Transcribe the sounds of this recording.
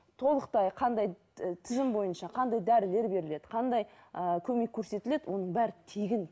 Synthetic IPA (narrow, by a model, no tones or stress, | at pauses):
t̪ʰo̞lˠəqt̪ɑjqʰɑnd̪ɑj | t̪ʰɪzɪmbo̞jənʃɑqʰɑnd̪ɑjd̪æɾɪle̞ɾbe̞ɾɪle̞d̪ɪ̥qʰɑnd̪ɑjəkʲʰɵme̞kʲʰːɵɾse̞t̪ɪle̞d̪ɪwʔo̞nəɴbæɾɪt̪ʰeɡʲɪn